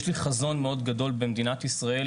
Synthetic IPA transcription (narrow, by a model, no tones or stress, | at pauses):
ʃliχazo̞nmeo̞d̪ɡad̪o̞lbemd̪inat̪isʁae